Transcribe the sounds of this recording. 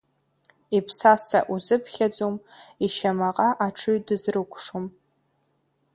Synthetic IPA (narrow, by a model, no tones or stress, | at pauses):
ipʰsastʰa̰ʔuzɨpʰχʲad͡zʼomiʃamaqʼaʔaʈ͡ʂʰɨɥdɨzrɨkʷʰʼʂom